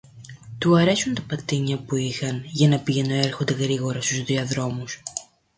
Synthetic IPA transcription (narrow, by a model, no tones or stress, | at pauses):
t̪uɐɾe̞sunt̪ɐpɐt̪iɲɐpuixɐnʝɐnɐpiʝenoe̞ɾxo̞nd̪e̞ɣɾiɣo̞ɾɐst̪uzðiɐðɾo̞mus